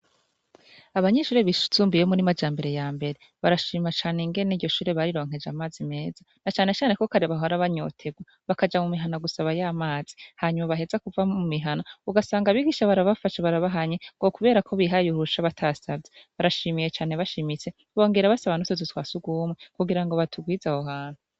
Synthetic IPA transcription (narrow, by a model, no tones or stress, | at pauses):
aβaɲeʃuːɾe̞βiu̥t͡suːmbijomuɾimad͡ʒaːmbe̞ɾe̞jaːmbe̞ɾe̞ | βaɾaʃiːmat͡ʃaːneŋɡe̞niːdɟo̞ʃuːɾe̞βaɾiɾo̞ːŋ̥he̞d͡ʒamaːzime̞ːza | nat͡ʃaːne̞t͡ʃaːne̞ko̞kaɾeβaɦoɾaβaɲo̞̰ːtʰeɡwa | βakad͡ʒamumiɦanaɡusaβajaːmaːz̥i̥haːɲumaβaɦe̞zakuvaumiɦanauɡasaːŋɡaβiɡiːʃaβaɾaβafaʃaβaɾaβaɦaɲe̞ŋɡo̞kuβe̞ːɾakʰo̞βiɦajuɾuʃaβatʰasabɟeβaɾaʃimijet͡ʃaːne̞βaʃimit͡se̞ | βo̞ːŋɡe̞ɾaβasaβanotozitwaːsuɡwuːmŋekuɡiɾaŋɡo̞βatʰuɡwiːzahoɦaːn̥u